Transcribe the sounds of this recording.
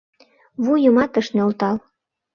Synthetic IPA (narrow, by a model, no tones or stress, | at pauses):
βujəmɑt̪ə̆ʃneolt̪ɑl